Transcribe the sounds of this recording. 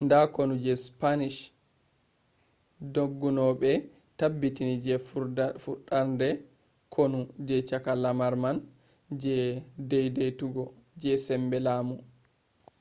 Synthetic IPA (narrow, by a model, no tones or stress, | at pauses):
ndakonud͡ʒɛspaniʃ | doɡːunɔɓɛ | tabːitinid͡ʒɛfuɗandɛ | kʰonud͡ʒɛt͡ʃakalamaɾman | d͡ʒɛdɛjdejtuɡɔd͡ʒɛsɛmbɛlaːmu